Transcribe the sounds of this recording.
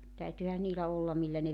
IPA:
tæytyhæ niːlæ olːɑm milːæ ne

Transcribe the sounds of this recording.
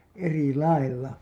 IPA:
eri lɑilːɑ

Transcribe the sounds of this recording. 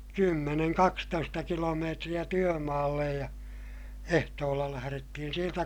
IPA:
kymːeneŋ kɑkstoistɑ kilomeːtrij̆æ tyømɑːlːej jɑ ehtoːlːɑ læhæretːihin̞ sieltæ

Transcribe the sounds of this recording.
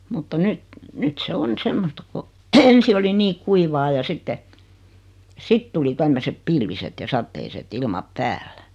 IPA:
mutːɑ nyt nyt se on semːostɑ ko ensi oli niː kuiʋɑː jɑ sitːe sit tuli tæmːøsep pilʋiset jɑ sɑtːeiset ilmɑp pæːlːæ

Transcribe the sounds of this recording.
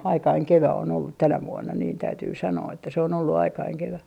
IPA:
ɑikɑiŋ keʋæ on olːut tænæ ʋuonːɑ niːn tæytyː sɑnoː etːæ se on olːu ɑikɑiŋ keʋæ

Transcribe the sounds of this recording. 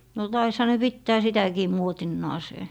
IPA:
no tɑishɑ ne pitːæː sitækiː muotinːɑːseː

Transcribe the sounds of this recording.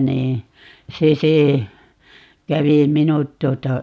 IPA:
niː se se kæʋi minut tuotɑ

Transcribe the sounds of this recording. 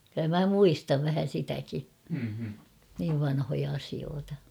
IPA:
ky̆lːæ mæ muistɑʋ ʋæhæ sitæki niːʋ ʋɑnhojɑ ɑsioːtɑ

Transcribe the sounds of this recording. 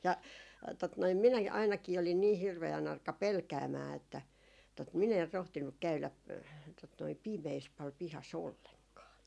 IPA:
jɑ tot noim minæki ɑinɑkiː olin niː hirʋeæn ɑrkɑ pelkæːmæː etːæ tot min er rohtinːuk kæylæ tot noi pimeːs pɑl pihɑs olːeŋkɑː

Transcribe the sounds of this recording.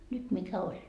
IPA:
nyt mikæ olʲ

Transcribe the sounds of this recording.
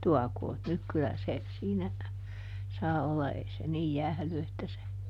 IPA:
tuɑkoːt nyk kylæ se siːnæ sɑː olːɑ ei se niːj jæhly etːæ se

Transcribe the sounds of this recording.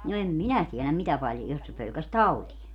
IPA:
no em minæ tielæm mitæ pɑljo jos se pølkæs tɑutie

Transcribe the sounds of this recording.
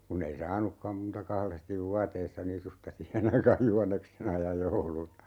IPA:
kunːei sɑːnukːɑm muːtɑ kɑlestiʋ ʋuɑteisːɑ nisustɑ sihen ɑikɑːj juhɑnːeksenɑ jɑ joulunɑ

